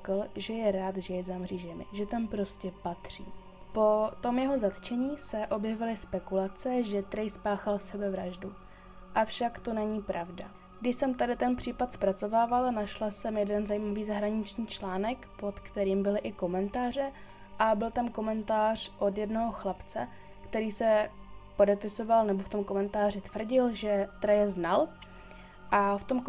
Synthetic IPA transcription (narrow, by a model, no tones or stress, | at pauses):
klʒɛjɛɾaːt̪ʒɛjɛzamriːʒɛmɪ̰ʒɛt̪ampɾo̞scɛpat̪r̝̥ḭː | po̞t̪o̞mjɛɦo̞zat̪t͡ʃɛɲiːsɛʔo̞bjɛvɪlɪspɛkulat͡sɛʒɛt̪ɾɛjspaːxalsɛbɛvɾaʒdu | ʔafʃakt̪o̞nɛɲiːpɾavda̰ | ɡdɪʃsɛmt̪adɪt̪ɛnpr̝̥iːpat̪spɾat͡so̞vaːvalnaʃlasɛmjɛdɛnzajimaviːzaɦɾaɲɪt͡ʃɲiːt͡ʃlaːnɛkpo̞t̪kt̪ɛɾiːmbɪlɪʔɪko̞mɛnt̪aːr̝ɛ | ʔabɪlt̪amko̞mɛnt̪aːr̝̥ʔo̞djɛdnoɦoxlapt͡sɛ | kt̪ɛɾiːsɛpo̞dɛpɪso̞valnɛbo̞ft̪omko̞mɛnt̪aːr̝ɪt̪vr̩ɟɪlʒɛt̪ɾɛjɛznal | ʔaft̪o̞m